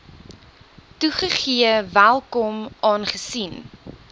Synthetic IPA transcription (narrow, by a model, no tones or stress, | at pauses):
tuχəχiəvælˠkɔmʔɑːnχəsin